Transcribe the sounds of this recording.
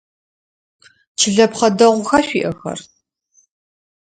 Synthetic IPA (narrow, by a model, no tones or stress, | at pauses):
t͡ʃʰɨɮɐpχɐdɐʁʷʊxaːɕʷiːʔɐxɐ̰r